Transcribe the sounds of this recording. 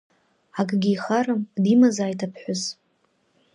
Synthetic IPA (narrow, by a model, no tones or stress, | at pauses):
aɡʼɡʲiːχaɾɨmdimazaːjtʰapʰħʷʊz